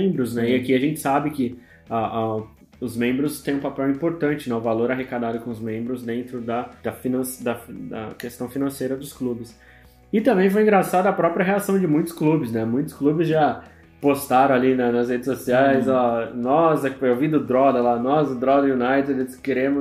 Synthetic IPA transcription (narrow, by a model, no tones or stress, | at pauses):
ẽmbɾʊznɛɪakiaʒẽnt͡ʃɪ̥sabɪkɪ | aʔa | ʊzmẽmbɾʊst̪ẽj̃ũpapɛwĩpoɾt̪ɐ̃nt͡ʃɪnɛʊvaloɾaɦekad̪ad̪ʊkõʊzmẽmbɾʊzd̪ẽnt̪ɾʊd̪ɐd̪̥ɐfinɐ̃sd̪ɐd̪ɐ̰kest̪ɐ̃w̃finɐ̃sejɾɐd̪ʊsklubɪs | ɪt̪ɐ̃mbẽj̃fojĩɡɾasad̪ɐɐpɾɔpɾijɐɦeasɐ̃w̃d͡ʒɪmũj̃t̪ʊ̥sklubɪznɛmũj̃t̪ʊ̥sklubɪzʒa | post̪aɾɐ̃alinɐnɐshed͡ʒɪsosiajzɔnɔzɛewvĩd̪ʊd̪ɾɔd̪ɐlanɔzʊd̪ɾɔd̪ɐjunajt̪ɛd̪keɾẽmʊ